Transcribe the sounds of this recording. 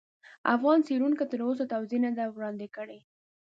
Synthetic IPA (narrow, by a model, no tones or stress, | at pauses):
afɣɑnseɾuŋkat̪əɾosot̪awzenad̪awɽɑnd̪ɪkəɽe